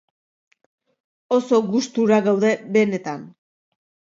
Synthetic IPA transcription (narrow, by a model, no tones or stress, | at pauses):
o̞so̞ɡust̪uɾaɣawðe̞be̞ne̞t̪an